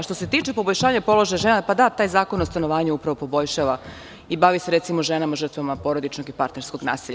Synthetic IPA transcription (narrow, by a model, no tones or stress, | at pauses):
ʃt̪o̞se̞t̪iːt͡ʃepo̞boʎʃaːɲapo̞lo̞ʒajaʒenapad̪at̪aːjzaːkonost̪ano̞ʋaːɲeupɾaʋo̞po̞bo̞ʎʃaːʋa | ibaʋiseɾet̪simo̞ʒenamaʒər̩t̪ʋamapo̞ɾo̞d̪it͡ʃnoɡipaɾt̪ne̞ɾsko̞ɡna̰ːsiʎ